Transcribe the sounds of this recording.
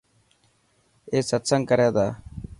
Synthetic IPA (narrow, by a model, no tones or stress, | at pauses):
eːsət̪səŋkəɾjaːd̪aː